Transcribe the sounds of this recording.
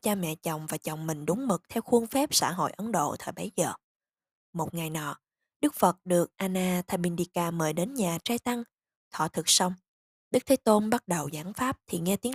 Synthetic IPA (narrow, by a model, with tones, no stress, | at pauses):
t͡ɕaː˧mɛ̰˧˨t͡ɕɔ˨˩wŋ͡mvaː˨˩t͡ɕa˨˩wŋ͡mmï˨˩ŋ̟ɗʊ˨˦ŋ͡mmɨ˨˩k̚t̪ʰɛ˧wxu˧əŋfɛ˦˥p̚sa̰ː˧˥˩ɦo̰˧˨jʔə˨˦nɗo̰˧˨t̪ʰəː˨˩jɓə˨˦jzəː˨˩ | mo˨˩t̚ŋa˨˩jnɔ̰˧˨ | ɗɨ˦˥k̚fə˨˩t̚ɗɨ˨˩ək̚ʔaː˧naː˧t̪ʰaː˧˩jɓi˧nɗi˧kaː˧˩məː˨˩jɗe˨˦nɲaː˨˩t͡ɕaː˧t̪a˧ŋ | t̪ʰɔ̰˧˨t̪ʰɨ˨˩k̚sa˧wŋ͡m | ɗɨ˦˥k̚t̪ʰe˨˦t̪o˧nɓa˦˥t̚ɗə˨˩wzaː˧˩nfaː˦˥p̚t̪ʰi˨˩ŋɛ˧t̪i˨˦ə